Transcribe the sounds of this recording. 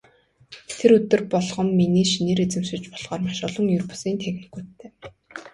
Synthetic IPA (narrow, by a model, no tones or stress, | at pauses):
t̪ʰeɾɵt̪ɵ̆rpɔɮχɞ̆mːiniːʃiniːɾet͡sɘ̆mʃɪ̆t͡ɕpɔɮ̥ʁ̥ɔːrmaʃʊɮɞ̆ŋjɵrpu̥siːnt̪ʰexnĭ̥kuːt̪ʰːeː